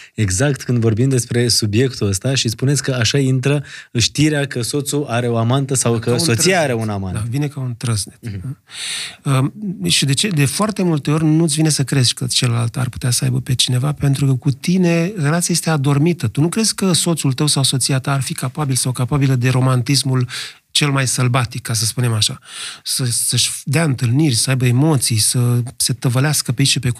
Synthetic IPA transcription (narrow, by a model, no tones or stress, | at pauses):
e̞ɡzakt̪kɨnd̪vo̞rbimd̪e̞spɾe̞subje̞kt̪uəst̪aʃispune̞t̪sʲkəaʃaint̪ɾəɨʃt̪iɾeakəso̞t̪suʔaɾe̞o̞amant̪əsawkəso̞ssijaaɾe̞unnama̰nd̪avine̞kaunt̪ɾəznet̪a | əʃid̪e̞t͡ʃe̞d̪e̞foart̪e̞mult̪e̞o̞rʲnut̪sʲvine̞səkɾe̞zkət͡ʃeləlalt̪a̰rpu̥t̪easəajbəpe̞t͡ʃine̞vape̞nt̪ɾukəkut̪ine̞re̞lat̪siajest̪ead̪o̞rmit̪ət̪unukɾe̞zʲkəso̞t̪sult̪əwsawso̞t̪siat̪aːrfikapabilsawkapabiləd̪e̞ɾo̞mant̪is̬mul | t͡ʃe̞lmajsəlbat̪ikːas̬əspune̞maʃasəsəʃd̪eaɨnt̪ɨlnirʲsəajbəemo̞t̪sijsəse̞t̪əvəleaskəpeit͡ʃʃipe̞